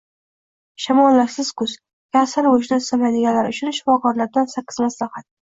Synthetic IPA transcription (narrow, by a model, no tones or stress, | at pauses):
ʃamɒllːaɾsɪz̥kʊz̥ | kʰʲasaɾʊʃnɪsamad̪ɪɡʲanlaɾʊt͡ʃʰʊnʃɪ̥fɒkʰɒɾlaɾd̪ansaqɪ̥zmaslahat̪̚